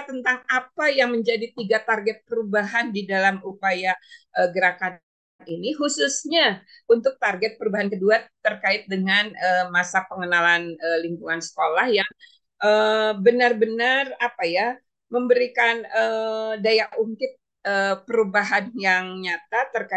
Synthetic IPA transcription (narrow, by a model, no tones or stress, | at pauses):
t̪ənt̪aŋapajaŋməɲd͡ʒadit̪iɡat̪arɡɛt̪̚pəɾubaɦandidalamupajaʔəɡəɾakan | niniɦususɲaunt̪ʊk̚t̪arɡɛt̪̚pəɾubaɦankəduat̪ːərkaɪt̪̚dəŋanəmasapəŋənalanəlimpuŋansə̥kolahjaŋ | ʔəbənarbənarapaja | məmbəɾikanədajaʔʔuŋkɪt̪̚ | əpəɾubaɦanjaŋɲat̪at̪ərka